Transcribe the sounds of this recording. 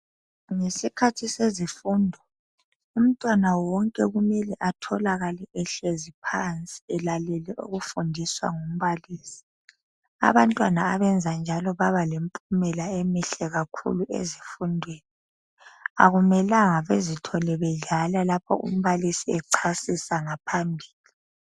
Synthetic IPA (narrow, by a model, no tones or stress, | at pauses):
ŋesikʰatʰisezifundʱɔ | um̩tʼwanawɔŋkʼɛɣumɛlɛʔatʰɔlaɣalɛʔɛɬezipʰant͡sʼi̥ɛlalɛlɛʔṵɣufundʱiswa̰ŋum̩βaliːsi̥ | a̰βantʼwanaaβɛnd͡zʱand͡ʒʱalɔβaβalempʼumɛlaemiɬɛɣakʰṵluʔḛzifundʱweːni | a̰ɣumɛlaŋaβezitʰɔlɛβɛɮalalapʰɔ̰ṵm̩βalisiɛǀʰasisaŋapʰambʱiːli